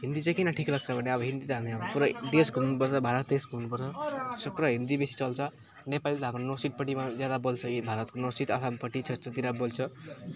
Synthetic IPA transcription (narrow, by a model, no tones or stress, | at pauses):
ɦind̪it͡sãj̃kinaʈʰiklʌɡ̚t͡sʰʌbʱʌneʌbʌɦind̪it̪ʌɦamiamopuɾad̪esɡʱunupʌɾt͡sʰʌbʱaɾʌt̪̚d̪esɡʱunupʌɾt͡sʰʌsʌpuɾaɦind̪ibesi̥t͡sʌlt͡sʰʌ | nepalit̪ʌɦamronosiʈ̚pʌʈimad͡zjad̪abolt͡sʰʌjibʱaɾʌt̪konosit̪ʌsampʌʈit͡sʰʌt͡sʌt̪iɾabolt͡sʰʌ